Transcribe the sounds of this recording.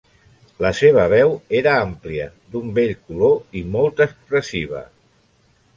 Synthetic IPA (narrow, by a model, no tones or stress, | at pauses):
ləseβ̞əβ̞ɛweɾəampliə̰ | d̪umbeʎkuloimɔlˠt̪əspɾəsiβ̞ə̰